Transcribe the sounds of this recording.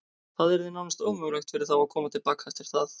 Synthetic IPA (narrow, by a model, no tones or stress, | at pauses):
θaðɛɾðʏnawmɪst̪oːwmœɣlɛjxt̪fɪɾɪɾ̥θawakʰɔːmat̪ʰɪlpaːkaft̪ʏɾ̥θað